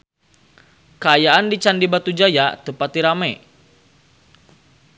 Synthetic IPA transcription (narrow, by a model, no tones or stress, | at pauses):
kəajaʔandit͡ʃandibat̪ud͡ʒajat̪əpat̪̚diɾamɛ